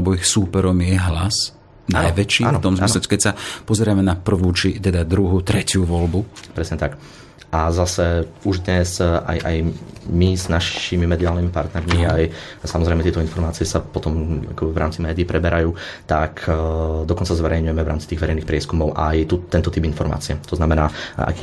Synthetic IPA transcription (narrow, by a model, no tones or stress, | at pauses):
alɛbɔixsuːpɛɾɔmjɛɦlas | nːajʋɛt͡ʃiːnt̪ɔmzmislɛtɛ̥kɛcsapɔzɛɾamɛnapr̩ʋuːt͡ʃit̪ɛd̪ad̪ɾuɦut̪ɾɛcɪuʋɔlbupɾɛsɲɛt̪ak | ʔazasɛuʒd̪ɲɛsa̰jʔa̰jmiznaʃimimɛd̪iaːlnimipaɾt̪nɛɾmiajsamɔzɾɛɪmɛt̪ɪɛt̪ɔinfɔɾmaːt͡siɪɛsapɔt̪ɔma̰kɔbɛvɾa̰ːmt͡simɛːd̪iːpɾɛbɛɾajuːt̪akʰd̪ɔkɔnt͡sazʋɛɾɛjɲujɛmɛvɾaːmt͡si̥t̪iːɣʋɛɾɛɪniːxpɾɪɛskumɔʊʔajt̪ut̪ːɛnt̪ɔt̪ibinfɔɾma̰ːt͡siɛt̪ɔznamɛnaːa̰kː